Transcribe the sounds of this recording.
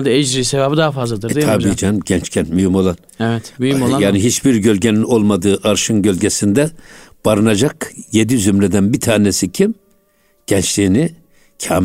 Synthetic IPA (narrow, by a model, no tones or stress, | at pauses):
d̪ɛɛd͡ʒɾiːsevabɯd̪aɦafazlˠad̪ɯɾetʰabiːd͡ʒɛɟɛnt͡ʃcʰɛnt̪myjimo̞lˠan | ɛvɛt̪mymojaːniɦit͡ʃbiɾɟø̞lʲɟenino̞lˠmad̪ɯːʔaɾʃɯnɟø̞lʲɟʲɛsind̪ɛb̥aɾɯnad͡ʒakjed̪izymɾɛd̪ænbit̪ʰaːnesicʰim | ɟ̥ɛnt͡ʃlʲiːni | cʰaːm